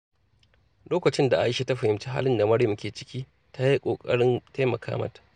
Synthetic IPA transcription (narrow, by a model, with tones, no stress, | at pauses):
loː˦kɐ˨t͡ʃɪ˦nda˨ʔa˦jɪ˦ʃe˦ta˦ɸɐ˨hɪ˨mt͡ʃi˦ɦa̰ː˦lɪ˦nda˨mɐ˦ɽjʊ˦mkʲeː˨t͡ʃɪ̥˦kʲiː˦ | ta˦ji˦kʷʼoː˨kʼɐ̰˦ɽɪ˦nta˦mɐ˨kʰa̰ː˦mɐ̰˦tḁ˨ʔ